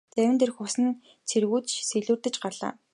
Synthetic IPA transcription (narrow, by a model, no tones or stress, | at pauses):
t͡sæwʲɪ̆nt̪ʰerxʊsɘ̆n | t͡sʰerɣuːt̪t͡ɕseɮuːrt̪ɘ̆t͡ɕɢarɮa̰ː